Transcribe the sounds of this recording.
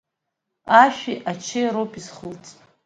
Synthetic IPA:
aʃᶣiʔat͡ʃʰejɾopʼizχəlt͡sʼ

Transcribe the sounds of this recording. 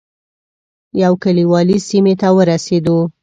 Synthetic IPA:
jawkaliwɑlisimet̪awəɾased̪o

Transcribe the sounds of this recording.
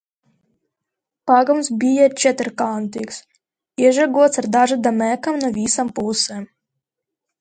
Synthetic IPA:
paɡamsbʲijɛt͡ʃɛt̪ɾkant̪iks | iɛʒaɡuɔt̪saɾd̪aʒad̪amɛkamnuvʲisampusɛm

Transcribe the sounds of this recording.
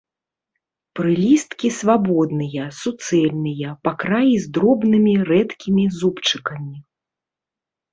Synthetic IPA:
pɾɨlʲist̪kʲisvabɔd̪nɨjɐsut̪sɛlʲnɨjɐpakɾajizd̪ɾɔbnɨmʲirɛt̪kʲimʲizupt͡ʂɨkɐmʲi

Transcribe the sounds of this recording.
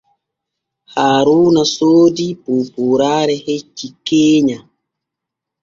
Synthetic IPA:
haːɾuːnasoːdipuːpuːɾaːɾɛhet͡ʃːikːeːɲa

